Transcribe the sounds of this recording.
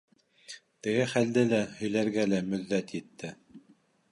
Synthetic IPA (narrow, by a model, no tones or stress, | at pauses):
t̪ɘ̆ɡɘχæld̪ɘlæhɵ̆jlæɾɡælæmɵ̆ðːæt̪jɘ̆t̪ːɘ